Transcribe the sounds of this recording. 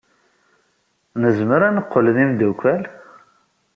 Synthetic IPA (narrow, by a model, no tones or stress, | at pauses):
nəzməɾænəqːəlðimd̪ukʷːæl